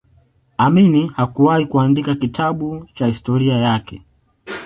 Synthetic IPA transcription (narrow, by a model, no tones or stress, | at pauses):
aminihakuwahikuandikakitʰaɓut͡ʃahistɔɾiajakɛ